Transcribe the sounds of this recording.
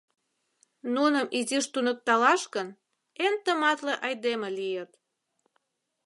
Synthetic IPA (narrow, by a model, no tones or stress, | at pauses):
nunəmʔiziʃt̪unək̚t̪ɑlɑʃkən | ent̪əmɑt̪leʔɑjd̪emelijət̪